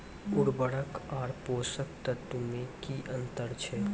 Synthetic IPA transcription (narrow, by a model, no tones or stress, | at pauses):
ʊɽbəɽəkaːɾpoːsək̚t̪ət̪ːumẽkiʔɐ̃nt̪əɾt͡ʃʰɛː